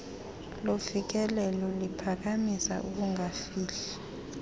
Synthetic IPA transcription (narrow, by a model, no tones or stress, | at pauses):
lovik̬ɛlɛlɔlipʰak̬amisa̰ʔuk̬uŋafiːɬɛ